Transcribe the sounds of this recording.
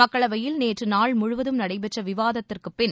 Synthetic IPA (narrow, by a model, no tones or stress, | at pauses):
mɐkːɐɭɐʋɐjɪlneːʈrɯnaːɭmʊɻʊʋɐðɯmnɐɽɐɪbɛʈrɐʋɪʋaːðɐt̪ːɪrkɯpːɪn